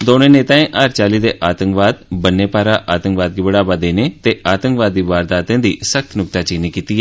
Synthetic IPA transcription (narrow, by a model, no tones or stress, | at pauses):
d̪oːnẽːneːt̪ãːẽːʔaːɾt͡ʃaːliːd̪eːʔaːt̪ə̃ŋkʋaːd̪bənːeːpaːɾaːʔaːt̪ə̃ŋkʋaːd̪̚kiːbəɽaːbaːd̪eːneːt̪eːaːt̪ə̃ŋkʋaːd̪ːiːʋaːɾd̪aːt̪ẽːd̪iːsək̚t̪nʊk̚t̪aːt͡ʃiːneːkiːt̪iːɛː